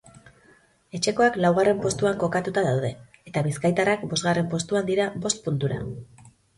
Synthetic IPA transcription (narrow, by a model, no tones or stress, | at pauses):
e̞t͡ʃe̞ko̞aklawɣ̞are̞mpo̞st̪uaŋko̞kat̪ut̪aðawð̞e̞ | et̪aβiskajt̪arakbo̞zɣare̞mpo̞st̪uand̪iɾabo̞st̪̚punt̪uɾa̰